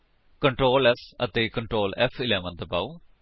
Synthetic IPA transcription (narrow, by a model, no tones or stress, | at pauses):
kəɳʈɾoːlɛsə̰t̪eːkə̃ɳʈɾoːlɛ̰fʰɪlɛːʋə̃nd̪əba̰ːuː